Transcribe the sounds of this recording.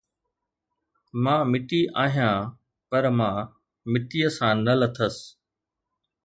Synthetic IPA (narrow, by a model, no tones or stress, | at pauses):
mãːmɪʈiʔaːɦijãː | pɐɾmãː | mɪʈiːəsãːnələt̪ʰəs